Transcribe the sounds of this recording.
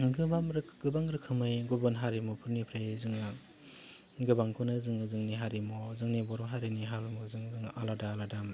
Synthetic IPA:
ɡɯbamɾɡɯbaŋɾɯkʰɯmɯjɡɔbɔnɦaɾimɔpʰɯɾnipʰɾajzɯŋɯ | ɡɯbaŋkʰunɯzɯŋɯzɯŋniɦaɾimɔzɯŋnibɔɾɔɦaɾiniɦalumɔzɯŋzɯŋaladaːladam

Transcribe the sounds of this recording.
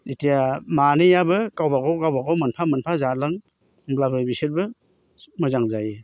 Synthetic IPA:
itijamanijabɯkawbaɡɔkawbaɡɔwmɯnpʰamɯnpʰazalɯŋ | blabɯbisɯɾbɯ | mɯzaŋzaje

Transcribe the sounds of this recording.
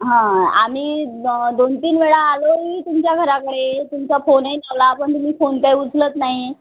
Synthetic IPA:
ɦãam̤iːd̪ont̪iːnʋeɭaːloɦiːt̪umt͡ɕjaɡʱəɾakəɽet̪umt͡safonejlaʋlaːpəɳt̪um̤iːfonpajud͡zʱlət̪naɦi

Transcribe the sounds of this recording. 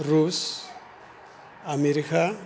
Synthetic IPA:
ɾus | ameɾikʰa

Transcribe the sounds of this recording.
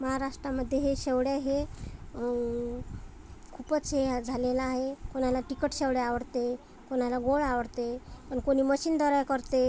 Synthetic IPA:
məɦaɾaʂʈɾaməd̪ʱjeɦeɕewɽjaɦe | kʰupət͡sɦead͡zʱalelaːɦekonalaʈikəʈɕewɽjaaʋəɽt̪e | konalaɡoɭaʋəɽt̪epəɳkoñiːməɕiːnd̪əɾajkəɾt̪e

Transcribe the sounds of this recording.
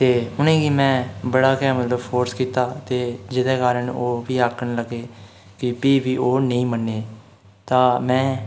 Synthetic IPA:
t̪eːʊnẽːɡimɛ̃ːbəɽaːkɛːmət̪ləbpʰoːɾskiːt̪aːt̪eːd͡ʒɪd̪eːkaːɾəɳoːʋiːaːkʰːəɳləɡeː | kɪpiːbiːʔoːnəĩːmənːeː | t̪ãːmɛ̃ː

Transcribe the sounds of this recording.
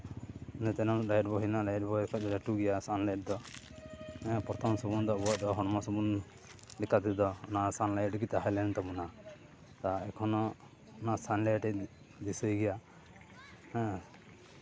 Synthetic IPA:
nɛt̪ɛnɔɾajʈ̚bɔɦinaɾajɛʈbɔɛkʰɔɾɛʈuɡɛjasanleʈ̚d̪ɔ | ɛ̃pɔɾt̪ʰɔmsɔbund̪ɔbɔad̪ɔɦɔnmɔsɔbun | likat̪id̪ɔnasanlajʈɡit̪aɦalɛnt̪ɔbuna | t̪aɛkʰɔnɔ | nasʰanlejʈɛ | d̪isəjɡɛja | ɛ̃

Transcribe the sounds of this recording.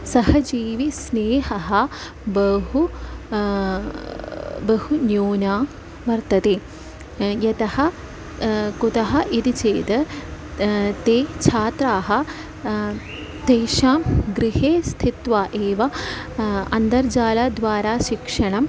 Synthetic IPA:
sɐhɐd͡ʒiːʋisneːɦɐɦɐ | bɐɦu | bɐhunjoːnaː | ʋɐɾt̪ɐt̪eː | jɐt̪ɐhɐ̆ | kut̪ɐɦɐʔid̪it͡ʃeːt̪ɐ | t̪eːt͡ʃʰaːt̪ɾaːɦɐ̆ | t̪eːʃaːmɡɾiɦeːst̪ʰit̪ʋaːʔeːʋɐ | ɐnd̪ɐɾd͡ʒaːlaːd̪ʋaːɾaːʃikʂɐɳɐm

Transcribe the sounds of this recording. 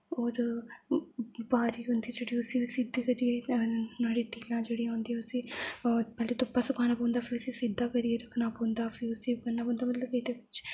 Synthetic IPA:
oːɾ | baːɾiːɦʊnd̪iːd͡ʒeːɽiːʊsĩːsɪd̪iːkəɾienaːɽiːt̪ilãːd͡ʒeːɽiːãʊ̃nd̪iːɦɛːʊsiːpɛːleːt̪ʊpːaːsʊkʰaːnaːpɔ̃ːnd̪aːfʰɪɾʊsĩːsɪd̪aːkəɾieɾəkʰnaːpoːnd̪aːfʰɪʊsĩbənːaːpõːnd̪aːmət̪ləbed̪eːbɪt͡ʃ

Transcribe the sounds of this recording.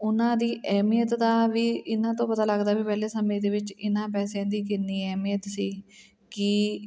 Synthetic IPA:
ʊnãːd̪iːʔɛːmijət̪d̪aːʋiːɪnãːt̪õːpət̪aːləɡd̪aːbiːpɛːleːsəmẽːd̪eːʋɪt͡ʃɪnãːpɛːsãːd̪iːkɪnːiːɛːmijət̪siː | kɪ

